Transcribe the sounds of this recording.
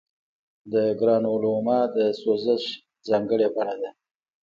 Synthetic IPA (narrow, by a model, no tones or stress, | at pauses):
d̪əɡɾɑnolomɑd̪əsozəʃ | zɑŋɡəɽebaɽad̪a